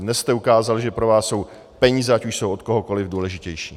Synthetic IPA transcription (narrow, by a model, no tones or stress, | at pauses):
dnɛsst̪ɛukaːzalʒɛpɾo̞vaːsːo̞w | pɛɲiːzɛacuʃsowot̪̚koɦoko̞lɪvduːlɛʒɪcɛjʃiː